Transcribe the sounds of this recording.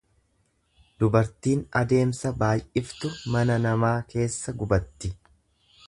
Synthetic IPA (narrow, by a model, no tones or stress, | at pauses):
d̪ʊbɐɾt̪iːnɐd̪e̞ːmsɐbaːjʔɪft̪ʊmɐnɐnɐmaːke̞ːsːɐɡʊbɐt̪ːɪ